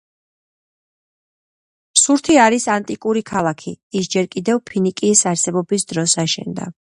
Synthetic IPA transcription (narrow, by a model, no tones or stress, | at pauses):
suɾt̪ʰiaɾisant̪ʼikʼuɾikʰalˠakʰiːsd͡ʒɛɾkʼid̪ɛvpʰinikʼisaɾsɛbɔbis̬d̪ɾɔsaʃɛ̰nd̪a̰